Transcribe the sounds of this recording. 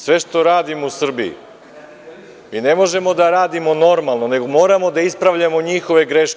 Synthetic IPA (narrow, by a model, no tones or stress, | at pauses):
sʋe̞ʃt̪o̞ɾaːd̪imousr̩biḭ | ine̞mo̞ʒe̞mo̞d̪aɾaːd̪imo̞no̞ɾmalˠno̞ne̞ɡomo̞ːɾamo̞d̪aispɾaʋʎamo̞ɲixo̞ʋe̞ɡɾe̞ʃk